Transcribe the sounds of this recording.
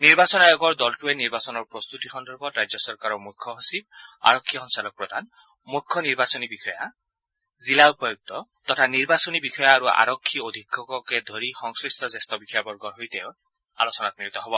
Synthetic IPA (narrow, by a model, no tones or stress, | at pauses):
niɾbasɔnajɔɡɔɾd̪ɔlʈueniɾbasɔnɔɾpɾɔst̪ut̪ixɔnd̪ɔɾbɔɾad͡ʒjɔsɔɾkaɾɔmukʰːjɔɦosib̚a̰ɾɔkʰːixɔŋsalɔk̚pɾɔd̪ʱan | mukʰːɔniɾbasɔnibixʰɔja | zilaupɔjuk̚t̪ɔt̪ɔtʰaniɾbasɔnibixʰɔjaːɾua̰ɾɔkʰːiod̪ʱikʰːɔkɔked̪ʱoɾixɔŋskɾist̪ʰɔzest̪ɔbikʰɔjabɔɾɡɔɾɦojt̪ew | a̰lɔsɔnat̪̚miɾit̪ɔɦɔbɔ